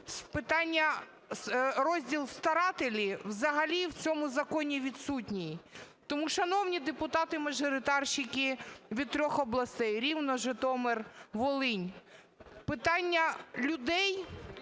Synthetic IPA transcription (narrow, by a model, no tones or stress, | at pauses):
spɪt̪ɑnʲːɐ | ɾɔzʲdʲilˠst̪ɐɾɑt̪elʲiwzɐɦɐlʲiwt͡sʲɔmʊzɐkɔnʲiʋʲid̪sutʲnʲij | t̪ɔmuʃɐnɔwnʲid̪epʊt̪ɑt̪ɪmɐʒɔɾɪt̪ɑrʃɪkʲɪʋʲid̪̚t̪ɾʲɔxɔblˠɐst̪ɛjɾʲiwnɔʒet̪ɔmerʋɔlˠɪnʲ | pɪt̪ɑnʲːɐlʲʊd̪ɛj